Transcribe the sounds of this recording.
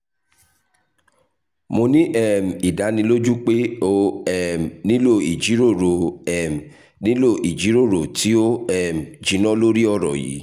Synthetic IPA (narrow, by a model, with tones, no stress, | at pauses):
mo˧nĩ˦ʔɛ˦˨m̩˨i˨da˨˦nĩ˧lo˦d͡ʒu˦k͡pe˦o˦˧ɛ˨m˨nĩ˦lo˦˨i˨d͡ʒi˨˦ɾo˦˨ɾo˨ɛ˨m˨ | nĩ˦lo˦˨ʔi˨d͡ʒi˨˦ɾo˦˨ɾo˨ti˨˦o˦ɛ˦˨m̩˨d͡ʒi˨˦nɔ̃˦lo˦ɾi˦ɔ˦˨ɾɔ̰˨jḭ˨˦